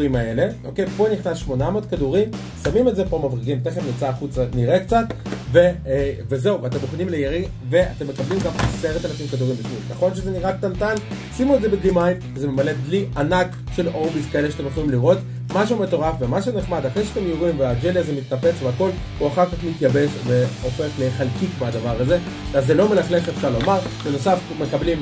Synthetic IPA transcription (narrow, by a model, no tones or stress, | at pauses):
imae̞le̞ʔo̞kejpo̞niχnasʃmo̞namod̪̚kaduʁim | samimetzepo̞mavʁiɡimt̪eχefnit͡saχut͡saniʁekt͡sat̪veveze̞uveat̪emuχnimlejaʁi | ve̞at̪e̞mːekablimɡamase̞ʁet̪anaʃimkad̪uʁimbiʃminaχo̞nʃezeniʁakt̪antan | simuetzebedlimajfezeme̞male̞d̪liʔanak | ʃe̞lobizkaeleʃat̪emjeχolimliʁo̞t̪ | maʃ̬eume̞t̪o̞ʁafvemaʃ̬uneχmad̪aχʁejʃeat̪e̞mjoʁimvead͡ʒeliazemit̪nape̞t͡sveako̞l | huaχaʁkaχmit̪jabe̞ʃve̞o̞fe̞χleχalkikmead̪avaʁaze̞ | vazːelo̞melaχleχefʃaʁlo̞maʁbeno̞safme̞kablim